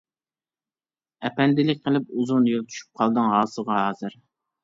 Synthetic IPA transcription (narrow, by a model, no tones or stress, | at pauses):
ɛpɛnd̪ɪlɪk̚ʲqʰəlˠɪp̚uzunjolˠt͡ʃ̪ʰy̥ʃy̥p̚qʰɑlˠd̪ɨŋɦɑːsɨʁɑɦɑːzɨɾ